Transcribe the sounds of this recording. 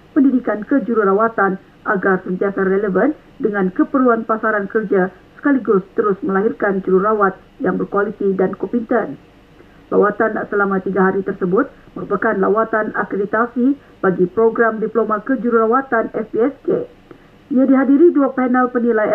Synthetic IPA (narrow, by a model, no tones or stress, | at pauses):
pəndidikankəd͡ʒuɾuɾawat̪an | ʔaɡarsənt̪iasareləvan | dəŋankəpərluanpasaɾankərd͡ʒasə̥kaliɡʊst̪əɾʊsməlaɦirkand͡ʒuɾuɾawat̪̚ | jaŋbərkoalisidankopint̪ən | la̰wat̪ansəlamat̪iɡaɦaɾit̪ərsəbʊt̪̚ | məɾupakanla̰wat̪ana̰kɾedit̪asi | b̥aɡipɾoɡɾamdiplomakəd͡ʒuɾuɾawat̪anɛsdeɛsɡe | iadiɦadiɾiduapɛnalpənilaj